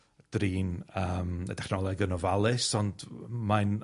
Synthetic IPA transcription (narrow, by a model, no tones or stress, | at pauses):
d̥riːnəːmə̰d̥ɛχnɔlˠɛɡənɔvalˠɨsɔndman